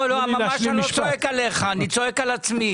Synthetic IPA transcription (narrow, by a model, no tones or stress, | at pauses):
loammamaʃanot͡soekaleχaːnit͡soekalat͡smi